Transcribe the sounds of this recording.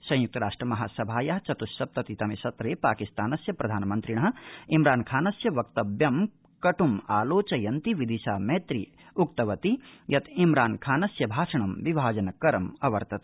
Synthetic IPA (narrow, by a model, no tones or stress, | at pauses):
sɐ̃j̃juk̚t̪ɐɾaːʂʈɾɐmɐɦaːsɐbʱaːjaɦɐt͡ʃɐt̪uʃːɐp̚t̪ɐt̪it̪ɐmisɐt̪ɾeːpaːkist̪aːnɐsjɐpɾɐd̪ʱaːnɐmɐnt̪ɾiɳɐɦɐ̆imɾaːnkʰaːnɐsjɐʋɐk̚t̪ɐbjɐm | kɐʈumaːloːt͡ʃɐjɐnt̪iʋid̪iʃaːmeːt̪ɾi | uk̚t̪ɐʋɐt̪ijɐt̪ʰimɾaːnkʰaːnɐsjɐbʱaːʂɐɳɐmʋibʱaːd͡ʒɐnɐkɐɾɐmɐʋɐ̰ɾt̪ɐt̪